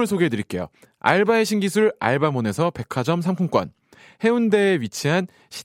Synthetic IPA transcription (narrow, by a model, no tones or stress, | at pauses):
ɯɭsʰoɡeedɯɾik͈e̞jo̰ | a̰ɭbaeɕʰiŋɡisʰuɭa̰ɭbamone̞sʰʌpe̞kʰad͡ʑʌmsʰamkʰuŋk͈ʌ̰n | he̞unde̞ːɥit͡ɕʰiɦan | ɕʰi̥